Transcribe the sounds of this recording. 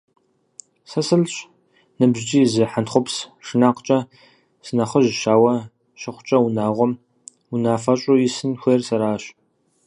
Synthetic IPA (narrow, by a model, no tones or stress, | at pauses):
sɐsɨlɕʼ | nɨbʑt͡ʃʼiːzɨħanχʷʊpsʂɨnaːqt͡ʃʼɐ | sɨnɐχəʒʃaːwɐ | ʃɪχʷʊt͡ʃʼɐwunaːʁʷɔm | unaːfɐɕʼujɪsɨnxʷersɐɾaːɕʼ